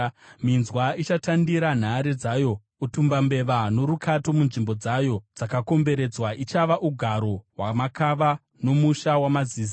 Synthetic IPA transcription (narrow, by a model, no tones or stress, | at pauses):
minzwait͡ʃatandiɾan̤aɾed͡zajo̞ | utumbambe̞ʋano̞ɾukʰato̞munʐimbo̞d͡zajo̞d͡zakako̞mbe̞ɾe̞d͡zwaʔit͡ʃaʋaʔuɡʱaɾo̞wamakaʋa | no̞muʃawamaziːz